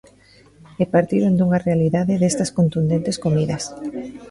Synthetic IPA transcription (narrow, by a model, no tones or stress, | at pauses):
epaɾt̪iɾond̪uŋarealiðaðɪðest̪ɐskont̪und̪ent̪eskomiðɐs